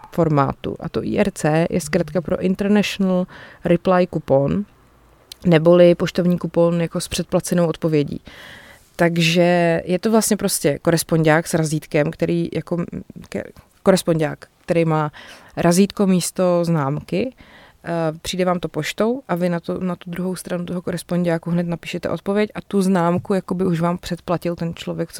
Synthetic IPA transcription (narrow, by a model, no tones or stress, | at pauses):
fo̞ɾma̰ːt̪ṵʔa̰t̪oʔḭːʔɛɾt͡sɛːjɛ̰skɾat̪kapɾo̞̰ʔɪnt̪ɛɾnɛʃonalɾɪplajkupon | ɛbo̞lɪpo̞ʃt̪ovɲiːkuponjako̞spr̝̥ɛt̪̚plat͡sɛnowʔot̪̚po̞vjɛɟḭː | t̪aɡʒɛjɛt̪ovlast̪ɲɛpɾo̞scɛko̞ɾɛspo̞ɲɟaːksɾaziːt̪kɛmkt̪ɛɾiːjako̞k | ko̞ɾɛspoɲɟaːkt̪ɛɾɛjmaːɾʔaziːt̪ko̞miːst̪o̞znaːmkɪ | pr̥iːdɛvaːmt̪o̞po̞ʃt̪o̞wʔavɪnat̪onat̪ud̪ɾuɦo̞wst̪ɾanut̪oɦoko̞ɾɛspo̞ɲɟaːkuɦnɛt̪napi̥ːʃɛt̪ɛ̰o̞̰t̪̚po̞vjɛcʔat̪uznaːmkujako̞bɪuʃvaːmpr̝̥ɛt̪placɪlt̪ɛnt͡ʃlo̞vjɛk̚t͡s